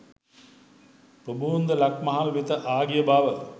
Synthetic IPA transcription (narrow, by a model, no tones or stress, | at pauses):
pəbund̪əlakmɐɦalʋit̪əʔaːɡijəbaːʋə